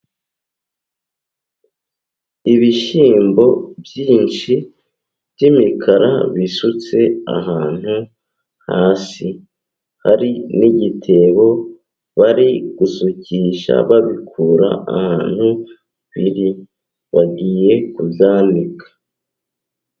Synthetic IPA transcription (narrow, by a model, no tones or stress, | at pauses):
iβiʃiːmbo̞bjiːnʃi | b̥jɟimikʰaɾa̰βisut͡se̞a̰ɦaːn̥hu | haːsi | haɾiniɟitʰe̞βo̞ | βaɾiɡ̥usuciːʃa̰βaβikʰuːɾa̰a̰haːn̥hu | βiɾi | βaɡiːje̞kubjaːndikʰḁ